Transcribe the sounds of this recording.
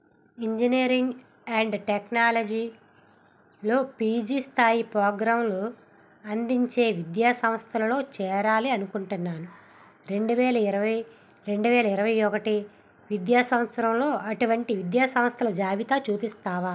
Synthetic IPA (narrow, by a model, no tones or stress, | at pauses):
iɲd͡ʒiniːɾiŋɡ | ɐɳɖʈeknaːlɐd͡ʒiː | lo̞ːpiːd͡ʒiːst̪ʰaːjipɾɔːɡɾaːmlu | ɐnd̪iɲt͡ʃe̞ːʋid̪jaːsɐmst̪ʰɐlɐlo̞ːt͡ʃɛːɾaːliɐnukuɳʈunːaːnu | ɾe̞ɳɖuʋɛːlɐiɾɐʋɐj | ɾe̞ɳɖuʋɛːlɐiɾɐʋɐjɔkɐʈi | ʋid̪jaːsɐmɐt̪sɐɾɐmlo̞ːʔɐʈuʋɐɳʈiʋid̪jaːsɐmst̪ʰɐlɐd͡ʒaːbit̪aːt͡ʃuːpist̪aːʋaː